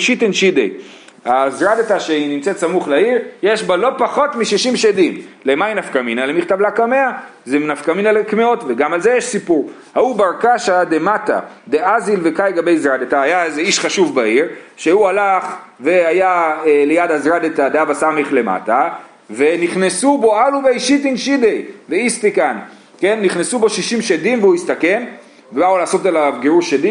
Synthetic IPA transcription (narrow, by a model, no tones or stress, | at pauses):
ʃit̪enʃid̪ḛj | azʁad̪et̪aʃeinimt͡set̪samuχlaiʁjeʃbalo̞paχo̞tmiʃiʃimʃed̪imlemajnafkaminalemiχt̪avlakame̞a | zenafkaminalekmeo̞tve̞ɡamalze̞jeʃsipuʁ | haubaʁkaʃad̪emat̪a̰ | d̪e̞ʔazilvekajɡabe̞jzʁad̪et̪aːjaezeiʃχaʃuvbaiʁʃe̞hualaχ | ve̞ajaelejad̪azʁad̪etad̪eavasameχle̞ma̰ta | ve̞niχnesubo̞aluveiʃit̪inʃidejveist̪ikan | ke̞nːiχnesubo̞ʃiʃimʃedimveuist̪ake̞n | vebaulaːso̞talavɡeʁuʃed̪i